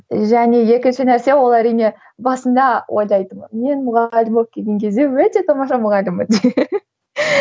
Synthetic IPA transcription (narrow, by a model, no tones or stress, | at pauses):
ʒæne̞je̞kʲɪnʃɪnæɾse̞wo̞lˠæɾijne̞ | bɑsənd̪ɑwʔo̞̰jlˠɑjt̪əmənme̞nmʊʁɑlʲd̪ɪmop̚kʲʰeɡʲe̞ŋkʲʰe̞zd̪e̞wɵt̪e̞t̪ʰɑmɑʃɑmʊʁɑlʲd̪ɪmən